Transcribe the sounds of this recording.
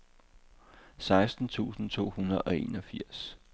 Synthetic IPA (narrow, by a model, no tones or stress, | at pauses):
sɑ̈ɪsd̥n̩t͡sʰṵːsn̩t͡sʰo̝̰ːhunɐð̩ˠʔɒ̽e̝̰ːnɒ̽fiɐ̰s